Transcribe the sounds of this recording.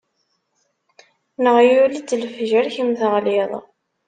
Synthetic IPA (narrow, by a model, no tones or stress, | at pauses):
nəʁjulit͡sːlfʒæɾçimθəʁliðˤ